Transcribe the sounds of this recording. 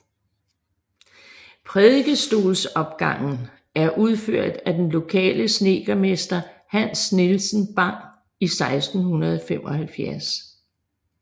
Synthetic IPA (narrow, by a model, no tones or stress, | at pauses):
pʰʁeðˠɡ̥əsd̥o̝̰ːlsɒ̽b̥ɡ̥ɑ̈ŋ̰n̩ | æɐʔuð̞ˠføɐ̰d̥æd̥enlo̝kʰɛ̰ːləsne̝ːɡ̥ɐme̝sd̥ɐhænsnelsn̩b̥ɑ̈ŋ̰ | isɑ̈ɪsd̥n̩hunɐð̞ˠɒfem̰ɒ̽hælfjæɐs